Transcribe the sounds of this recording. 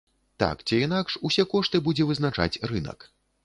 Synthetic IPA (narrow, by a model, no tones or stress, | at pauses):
t̪a̰kt͡sʲiinakʂusʲɛkɔʂt̪ɨbud͡zʲɛvɨzn̪at͡ʂa̰t͡sʲrɨnɐ̰k